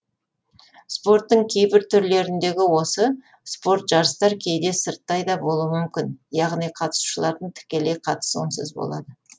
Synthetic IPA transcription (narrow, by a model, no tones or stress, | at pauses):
spo̞rt̪ːəɴkʲʰejbɪɾt̪ʰʏɾle̞ɾɪnd̪e̞ɡʲɪwo̞sə | spo̞ɾt̪ʒ̥ɑɾəst̪ɑɾkʲʰe̞jd̪e̞səɾt̪ːɑjd̪ɑbo̞lˠuəmʏmkʲɪnjɑʁnijqʰɑt̪ə̥su̥ʃəlˠɑɾd̪əɴt̪ʰɪ̥kʲe̞lejqʰɑt̪ə̥səonsɪ̰zbo̞̰lˠɑ̰d̪ə